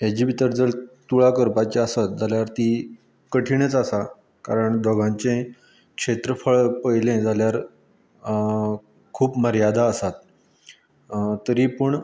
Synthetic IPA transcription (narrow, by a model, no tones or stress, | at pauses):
ɦjad͡ʑiːbit̪əɾd͡zəlt̪uɭakəɾpat͡ɕeəsat̪̚d͡zaljaɾt̪i | kəʈʰiɳ̃et͡sasa | kaɾəɳd̪ʱɔɡãɲt͡ɕẽ | kʂet̪ɾəfəɭpəjlẽd͡zʱaljaɾ | kʰuːpməɾjad̪ʱaəsat̪ | t̪ːəɾiːpəɳ